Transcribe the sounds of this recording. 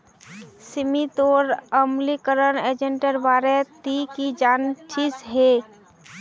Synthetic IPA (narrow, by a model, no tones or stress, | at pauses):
sɪmit̪oːɾəmlikəɾəneːd͡ʒəɳʈəɾbaːɾet̪ikid͡ʒaːnt͡ʃʰisɦe